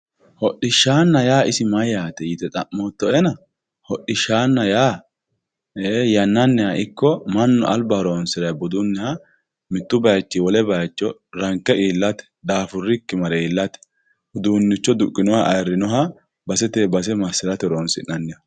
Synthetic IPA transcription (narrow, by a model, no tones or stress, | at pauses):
hɔɗɪʃːaːnːɐjaːɪsɪmɐjaːt̪ɛjɪt̪ɛt̪ʼɐmːoːt̪ːɔɛnɐ | hɔɗɪʃaːnːɐjaː | ejɐnːɐnːɛhɐɪkːɔmɐnːɔɐlbɐhɾoːnsɪɾɐjbʊd̪ʊnːɛhɐ | mɪt̪ːʊbɐjt͡ʃːɪwɔlɛbɐjt͡ʃːɔɾɐŋkːɛʔiːlːɐt̪ɛ̥d̪aːfʊrːɪkːɪmɐɾɛːlːɐt̪ɛ̥ | hʊd̪uːnːɪt͡ʃːɔd̪ʊkʼːɪnɔhɐʔɐjrɪnɔɦɐ | bɐsɛt̪eːbɐsɛmɐsːɪɾɐt̪ɛɾoːnsɪnːɐnːɛjɐ